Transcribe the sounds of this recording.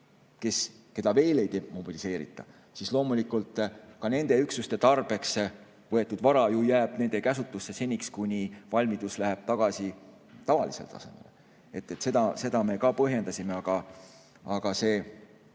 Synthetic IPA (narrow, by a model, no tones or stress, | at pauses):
ke̞s | ke̞d̪̥ɑve̞ːle̞jt̪eːmo̞b̥ilise̞ːɾḭt̪ːˑɑ̰ | sislo̞ːmulikult̪ˑkɑne̞nd̪̥e̞yksust̪e̞t̪ɑrb̥e̞ks | vɤ̞et̪ːˑud̪̥vɑɾɑjujæːb̥ne̞nd̪̥e̞kæsut̪ːˑusːe̞se̞nʲikskunʲivɑlʲmid̪̥uslæɦeb̥̚t̪ɑɡ̥ɑsi | t̪ɑvɑ̰lise̞̰lt̪ɑ̰se̞̰me̞̰l | e̞t̪ːet̪sed̪ɑse̞d̪ɑme̞kɑpɤɦje̞nd̪ɑsʲimeɑɡ̥ɑ | ɑɡ̥ɑse̞ː